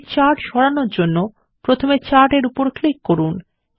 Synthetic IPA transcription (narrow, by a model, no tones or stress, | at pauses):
t͡ɕaɾʈʃɔɾanoɾd͡ʑonːo | pɾot̪ʰomet͡ɕaɾʈeɾupoɾklikːoɾun